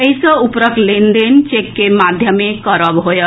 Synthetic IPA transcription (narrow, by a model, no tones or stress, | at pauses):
eɦisə̃upɾəklend̪ent͡ʃekːemad̪ʱjəmekʌɾəbɦojə